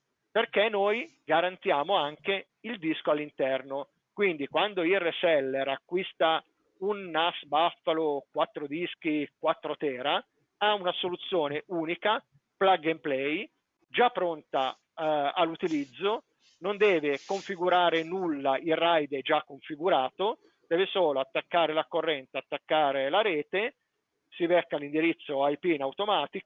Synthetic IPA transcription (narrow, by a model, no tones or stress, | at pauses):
perkenːojɡaɾant̪jaːmoaŋke | ild̪iskoalːint̪ɛrno | kwind̪ikwand̪oiresɛlːeɾakːwist̪a | unːasbafːalokwat̪ːɾod̪isk̟ikwat̪ːɾot̪ɛːɾa | aunasolut̪sːjoːneʔuːnika | plaɡemplɛj | d͡ʒapːɾont̪a | alːut̪ilid̪zːo | nond̪ɛːvekoɱfiɡuɾaːɾenulːaʔilrajd̪ed͡ʒakːoɱfiɡuɾaːt̪o | d̪̥ɛːvesoːloat̪ːakːaːɾelakːorːɛnt̪eat̪ːakːaːɾelaɾɛːt̪e | sivɛkːalind̪iɾit̪sːoajpinawt̪omaːt̪i